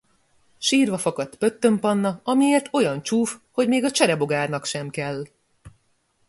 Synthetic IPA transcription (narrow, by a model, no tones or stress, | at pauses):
ʃiːrvɒfɒkɒt̪pø̞t̪ːø̞mpɒnːɒɒmieːrt̪o̞jɒnt͡ʃuːfho̞ɟmeːɡɒt͡ʃɛɾɛbo̞ɡaːrnɒkʃɛmkɛlː